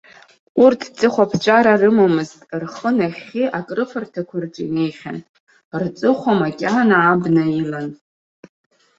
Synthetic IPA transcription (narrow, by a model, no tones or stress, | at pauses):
urtʰt͡sʼɨχʷapʰt͡ʃʷʼaɾarɨmamɨztʼrχənaχʲiʔakʼrɨfartʰakʷʰarʈ͡ʂʼḭnejχʲa̰n | rt͡sʼɨχʷomakʲʼanaːbnɨiman